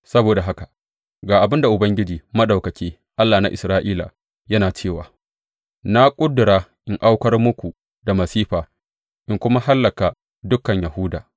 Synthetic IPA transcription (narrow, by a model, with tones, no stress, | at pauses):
sɐ˦boː˨da˨ɦa˦ka˨ | ɡaː˨ʔa˨bɪ˦nda˨ʔʊ˨bɐ˦ŋɡʲɪ˦d͡ʒiː˨mɐ˦ɗa˨wkɐ˨kʲeː˦ | ʔa˦lːaː˨na˦ʔɪ˨sɾaː˦ʔiː˦la̰˨ | jɐ˦naː˨t͡ʃeː˦˨wa̰ː˨ | na˦kʷʼʊ˦dʊ˨ɾaː˦ʔɪ˨ŋʔa˦wkɐ˦rmʊ˦kʷu˨ | da˨mɐ˨siː˦ɸaː˨ | ʔɪ˨ŋkʷʊ˦ma˦ɦa˦lːɐ˨ka˨ | dʊ˦kːɐ˨ɲja˨ɦʊ˦da̰ː˨